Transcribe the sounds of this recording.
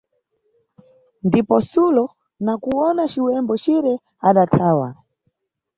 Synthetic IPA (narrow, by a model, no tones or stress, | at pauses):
ndipɔsulɔ | nakuɔnat͡ʃiwɛmbɔt͡ʃiɾɛ | aɗatʰaːwa̰